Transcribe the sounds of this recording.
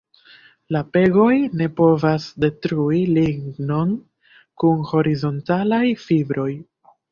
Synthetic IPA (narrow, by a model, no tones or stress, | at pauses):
lape̞ɡo̞jne̞po̞vasde̞tɾuiliɡɡno̞n | kunho̞ɾizo̞ntalajfibɾo̞j